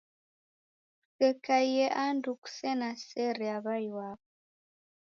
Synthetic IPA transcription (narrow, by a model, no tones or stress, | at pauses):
sɛkajɛʔanduku̥sɛnasɛɾɛaβajwaβɔ